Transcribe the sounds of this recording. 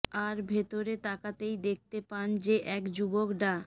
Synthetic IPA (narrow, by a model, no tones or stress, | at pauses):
aɾbʱet̪oɾet̪akat̪ejd̪ek̚t̪epand͡ʑeʔɛkd͡ʑubokɖa